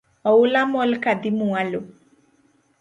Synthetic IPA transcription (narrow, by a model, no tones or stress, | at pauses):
ɔwulamɔlkad̪imualo